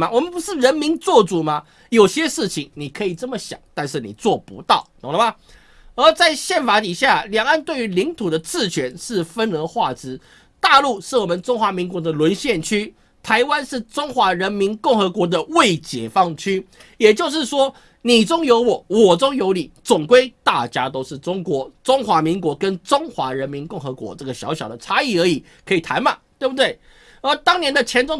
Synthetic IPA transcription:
wɔ˨˩mə˨˦npu˧˥ʂɻ̩˥˩ɻə˧˦˥nmi˧˥nt͡swɔ˥˩t͡su˨˩ma˦ | jo˨˩ʊɕjɛ˥ʂɻ̩˥˩t͡ɕʰi˧˩ŋni˨˩kʰɤ˧˥i˨˩t͡sə˥˩mə˩ɕjɑ̰˨˩ŋt̪a˥˧nʂɻ̩˥˩nḭ˨˩t͡swɔ˥˩pṵ˧˦˥t̪ɑ˥˩ʊnə˨˦ŋlə˧˦ma˧ | ə˞˧˥t͡sa˥˧ɪɕjɛ˥˩nfa˨˥t̪i˨˩ɕja˥˩ljɑ˨˩ŋa˥˧nt̪we˥˩ɪy˧˥li˧˥ŋt̪ʰu˨˩d̪ə˦t͡sɹ̩˥˩t͡ɕʰɥɛ˧˥nʂɻ̩˥˩fə˦nə˧˥xwa˥˩t͡sɻ̩˧˥˦ | t̪a˥˧lu˥˧ʂɻ̩˥˩wɔ˨˩mə˨˦nʈ͡ʂʊ˥ŋxwa˧˥mi˧˥ŋkwɔ˧˥d̪ə˧lwə˧˦nɕjɛ˥˨nt͡ɕʰy˥ | t̪ʰa˧˥ɪwa˦nʂɻ̩˥˩ʈ͡ʂʊ˥ŋxwa˧˥ɻə˧˥nmi˧˥nkʊ˥˩ŋxɤ˧˥kwɔ˧˥d̪ə˧we˥˩ɪt͡ɕjɛ̰˨˩fɑ˥˩ŋt͡ɕʰy˥ | jɛ˨˩t͡ɕjo˥˧ʊʂ̬ɻ̩˥˩ʂwɔ˥ | ni˨˩ʈ͡ʂʊ˥ŋjo˧˥ʊwɔ˨˩wɔ˨˩t͡sʊ˥ŋjo˧˥ʊli˨˩t͡sʊ˨˩ŋkwe˥ɪt̪a˥˩t͡ɕja˥t̪o˥ʊʂɻ̩˥˩ʈ͡ʂʊ˥ŋkwɔ˧˥˦t͡sʊ˥ŋxwa˧˥mi˧˥ŋkwɔ˧˥kə˦˥nʈ͡ʂʊ˥ŋxwa˧˥ɻə˧˥nmi˧˥nkʊ˥˩ŋxɤ˧˥kwɔ̰˧˦˥ʈ͡ʂɤ˥˩ɡə˩ɕjɑ˧˥ʊɕjɑ˨˩ʊd̪ə˦t͡sʰa˥i˨˩ə˞˧˥i˨˩ | kʰɤ˧˥i˨˩t̪ʰa˧˥nma˨˩t̪we˥˩bə˩t̪we˥˩ɪ | ə˧˥t̪ɑ˥ŋnjɛ˧˥nd̪ə˨t͡ɕʰjɛ˧˥nt͡sʊ˥ŋ

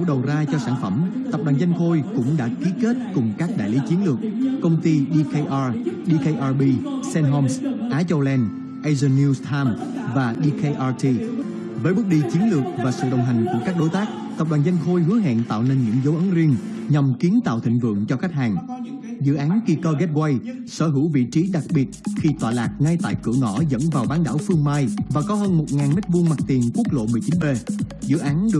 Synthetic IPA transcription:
ɗə˨˩wzaː˧t͡ɕɔ˧saː˧˩nfə˧˩mt̪ə˨˩p̚ɗwaː˨˩nza˧jŋ̟xo˧jkʊ̰˧˥ŋ͡mɗa̰ː˧˥ki˨˦ke˦˥t̚kʊ˨˩ŋ͡mkaː˦˥k̚ɗa̰ː˧˨jli˨˦t͡ɕi˨˦ənlɨ˨˩ək̚kə˧wŋ͡mt̪i˧ɗi˧ke˧ʔaː˧ɗi˧ke˧jʔaː˧ɓi˧sɛ˧nɦɔ˧msʔaː˨˦t͡ɕə˧wlɛ˧n | ʔa˧zə˧nːi˧st̪ʰaː˧mvaː˨˩ɗi˧kʰe˧jʔa˧ti˧ | vəː˨˦jɓɨ˦˥k̚ɗi˧t͡ɕi˨˦ənlɨ˨˩ək̚vaː˨˩sɨ̰˧˨ɗə˨˩wŋ͡mɦa˨˩jŋ̟ku˧˩əkaː˦˥k̚ɗo˨˦jt̪aː˦˥k̚t̪ə˨˩p̚ɗwaː˨˩zə˧jŋ̟xo˧jhɨ˨˦əɦɛ̰˧˨nt̪a̰ː˧˨wne˧nɲɨ̰˧˥ŋzo˨˦wʔə˨˦nzi˧əŋ | ɲa˨˩mki˨˦ənt̪a̰ː˧˨wt̪ʰï˧˨ŋ̟vɨ̰˧˨əŋt͡ɕɔ˧xa˦˥k̟̚haː˨˩ŋ | zɨ̰˧˨ʔaː˨˦nki˧kəː˧ɣɛ˦˥t̚ɣwa˧j | səː˧˩ɦɨ̰˧˩wvḭ˧˨t͡ɕi˨˦ɗa˨˩k̚ɓi˨˩ət̚xi˧t̪waː˨˩laː˨˩k̚ŋa˧jt̪a̰ː˧˨jkɨ̰˧˩əŋɔ̰˧˩zə̰˧˥nvaː˨˩wɓaː˨˦nɗa̰ː˧˥˩wfɨ˧əŋmaː˧jvaː˨˩kɔ˨˦həː˧nmo˨˩t̚ŋaː˨˩nme˦˥t̚vu˧ənma˨˩t̚t̪i˨˩əŋku˦˥ək̚lo̰˧˨mɨ˨˩əjt͡ɕi˨˦nɓe˧zɨ̰˧˨ʔaː˨˦nɗɨ˨˩ə

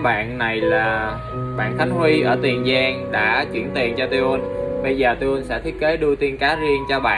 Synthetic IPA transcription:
ɓa̰ː˧˨nna˨˩jlaː˨˩ | ɓa̰ː˧˨nt̪ʰa˨˦jŋ̟hwi˧ʔəː˧˩t̪i˨˩ənzaː˧ŋɗa̰ː˧˥t͡ɕwi˧˩ənt̪i˨˩ənt͡ɕɔ˧t̪u˧ʔə˧nɓə˧jzəː˨˩t̪u˧wə˧nsɛ̰˧˥t̪ʰi˦ət̚ke˨˦ɗɨ˧ət̪i˧ənkaː˨˦zi˧ənt͡ɕɔ˧ɓa̰ː˧˨

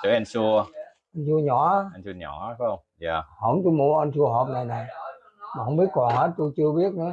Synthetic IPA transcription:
t͡ɕəː˨˦ʔɛ˧nsu˧əʔʔə˧nsu˧əɲɔ˨˩˦a˨˦ɛ˧nsu˧ɲɔ̰˧˩˦ə˧wŋ͡mjaː˧˩hə̰˧˩wŋ͡mt̪o˧jmu˧˦ʔə˧nsu˧əɦɔ˨˩p̚na˨˩jna˨˩j | maː˨˩ɦə˧wŋ͡mɓi˦˥ət̚kɔ˨˩ŋhə˦˥t̚t̪o˧jt͡ɕɨ˧əɓi˦˥ət̚nə˨˦

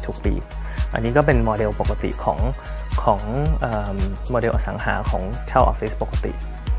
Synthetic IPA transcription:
t̪ʰu˨˩k̚pḭː˧ | ʔa̰˧nːiː˦˥kɔ˥˩p̬e˧nmɔː˧de˧wpo˨˩ka˧t̪ḭ˨˩kʰɔː˩˦ŋ | kʰɔː˩˦ŋʔɤː˨˩mmɔː˧de˧wʔaː˧˩sa̰˩˦ŋɦa̰ː˩˦kʰɔ̰ː˩˦ŋt͡ɕʰaː˥˩ʔɔ̰˧fi˦˥spo˨˩ka˧t̪ḭ˨˩ʔ

